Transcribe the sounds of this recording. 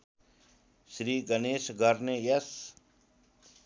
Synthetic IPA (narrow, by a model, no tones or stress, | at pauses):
sɾiːɡɐneːʃɡəɾnejɐs